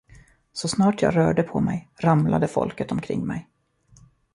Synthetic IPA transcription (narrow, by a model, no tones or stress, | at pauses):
sɔsnɑːʈjɑ̰ːɡɾœːɖəpʰɔmɛjɾamlad̪əfɔ̰lkət̪ɔmkʰɾɪ̰ŋːmɛj